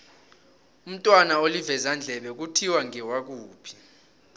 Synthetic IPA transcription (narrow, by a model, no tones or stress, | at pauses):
um̩tʼwanaolivɛzand͡ɮʱɛɓɛk̬utʰiwaŋɛwak̬uːpʰi̥